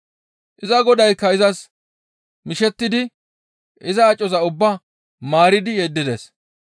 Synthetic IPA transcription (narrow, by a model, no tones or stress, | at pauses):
ʔɪzɐɡɔd̪ɐjkːɐɪzɐs | mɪʃɛt̪ːɪd̪ɪ | ʔɪzɐːt͡ʃʼːɔzɐʊbːa | maːɾɪd̪ɪjed̪ːɪd̪ḛs